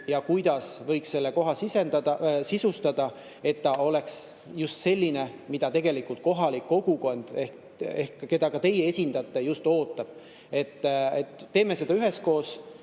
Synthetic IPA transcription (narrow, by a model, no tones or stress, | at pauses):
jɑkujd̪̥ɑsvɤ̞jksse̞lːeko̞ɦɑsisenɑɑsisust̪ɑd̪̥ɑ | e̞t̪ːɑo̞le̞ks | just̪se̞lʲːine̞mid̪̥ɑt̪e̞ɡ̥e̞likult̪̚ko̞ɦɑlikːo̞ɡ̥uko̞nd̪̥e̞hk | ehkːke̞d̪̥ɑkɑt̪e̞jee̞sʲind̪̥ɑt̪ːe̞just̪o̞ːt̪ːˑɑb̥̚ | e̞t̪ːet̪ːe̞ːme̞se̞d̪ɑyɦe̞sko̞ːs